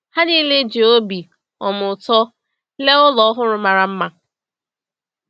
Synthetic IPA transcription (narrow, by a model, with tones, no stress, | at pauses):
ha˦niː˦le˦d͡ʒe˨o˦bi˨ | ɔ˨mʊ˨tɔ˦ | le˦ʊ˦lɔ˦ɦʊ˦ɾʊ˦ma˨ɾa˨m̩˦ma˦